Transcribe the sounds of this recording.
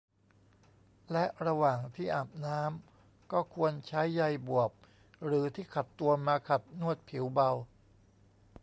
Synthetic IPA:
lɛ˦˥ʔɾa˧waː˨˩ŋt̪ʰiː˥˩ʔaː˨˩p̚naː˦˥m | kɔː˥˩kʰu˧ənt͡ɕʰa˦˥jːa˧jbu˨˩əp̚ | ɾɯː˩˦t̪ʰiː˥˩kʰa˨˩t̪ːu˧ɐmaː˧kʰa˨˩t̪̚nu˥˩ət̪̚pʰi˩˦wba˧w

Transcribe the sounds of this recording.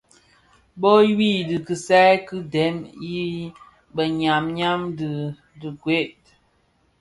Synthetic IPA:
bo˦wi˦˨dɨ˨kɨ˨sa˦kɨ˦dɛ˨˦mi˦ | bə˨ɲa˨mɲa˦mdɨ˨ | dɨ˨ɡwe˦t̚

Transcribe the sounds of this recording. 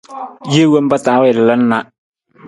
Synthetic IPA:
je˦wo˦m˦ba˦taː˨˦wɛ˨llə˦n̩˦na˦

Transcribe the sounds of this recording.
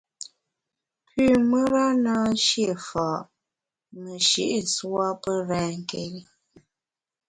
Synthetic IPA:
pʉː˦˨mə˦ɾa˦naː˦n̩˦ʃje˦˨faː˨ʔ | mə˨ʃḭ˦˨ʔswa˦pə˦ɾɛː˦ŋ˨ke˨ɾi˦

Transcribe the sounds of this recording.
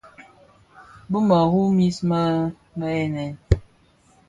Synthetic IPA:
bə˦ma˨hu˦mi˦sma˦ | ma˦ɛ˦nɛ˨n

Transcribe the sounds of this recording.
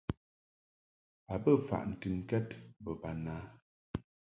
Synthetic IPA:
a˨bə˦fa̰˨ʔn̩˨tɨ˨ŋ˦kɛ˦tbə˨ba˨na˨˦

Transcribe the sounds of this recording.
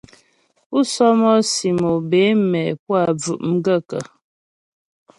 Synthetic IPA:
u˦sɔ˦mɔ˦si˨mo˨be˨˦mɛ˨pwa˦˨b͡vʉ̰˨ʔm̩˦ɡə˦˨kə̰˨

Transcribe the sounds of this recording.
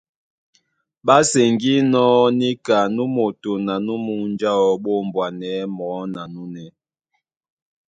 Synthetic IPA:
ɓa˦se˨ŋɡi˦nɔ˦ni˦ka˨nu˦mo˨to˨na˨nu˦mu˦n˦d͡ʒa˦ɔ˨ɓo˦˨m˨bwa˨nɛ˨˦mɔː˨˦na˨nu˦nɛ˦

